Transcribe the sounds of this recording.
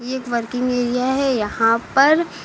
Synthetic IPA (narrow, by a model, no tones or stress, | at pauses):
eːkʋɐɾkɪ̃ŋɡeːɾijaɦɛjɐɦãpɐɾ